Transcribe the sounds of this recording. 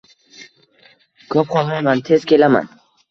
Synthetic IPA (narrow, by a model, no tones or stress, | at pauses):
kʰɒp̚qʰɒlˠmamant̪ʰe̞z̥kʲʰe̞lama̰n